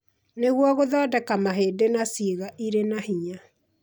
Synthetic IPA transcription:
neɣwɔɣoðɔːdɛkamaɦeːdenasiɣaʔiɾenahiɲa

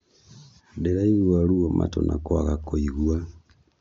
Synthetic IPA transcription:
deɾaiɣwaɾuɔmatonakwaɣakoiɣwa

